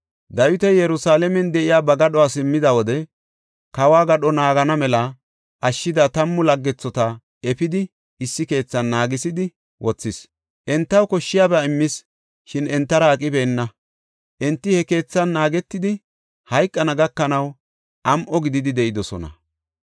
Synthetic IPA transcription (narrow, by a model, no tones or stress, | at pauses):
d̪ɐjʊt̪ɛjɛɾʊsaːlɛmɛnd̪ɛʔɪjaːbɐɡɐɗɔaːsɪmːɪd̪ɐwɔd̪ɛ | kɐwaːɡɐɗɔnaːɡɐnɐmɛlɐ | ʔɐʃːɪd̪ɐt̪ɐmːʊlɐɡːɛt͡sːɔt̪ɐ | ɛpɪd̪ɪ | ɪsːɪke̞ːt͡sːɐnːaːɡɪsɪd̪ɪ | wʔɔt͡sːɪs | ʔɛnt̪ːɐwkɔʃːɪjaːbɛɐɪmːɪs | ʃɪnɛnt̪ːɐɾɐːkʼɪbe̞ːnːɐ | ʔɛnt̪ːɪhɛke̞ːt͡sːɐnːaːɡɛt̪ːɪd̪ɪ | hɐjkʼːɐnɐɡɐkːɐnɐw | ʔɐmʔɔɡɪd̪ɪd̪ɪd̪ɛʔɪd̪ɔsɔ̰nɐ̰